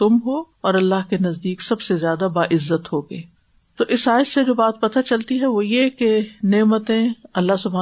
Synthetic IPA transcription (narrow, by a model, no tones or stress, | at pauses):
t̪ʊmɦoː | ɔːɾɐlːaɦkenɐzd̪iːksɐbsezjaːd̪abaːʔɪzːət̪ɦoːɡeː | t̪oːʔɪsaːɪsːed͡ʒoːbaːt̪̚pɐt̪at͡ʃɐlt̪iɦɛʋojekeneːmət̪ẽɐlːaɦsʊbʱɦaː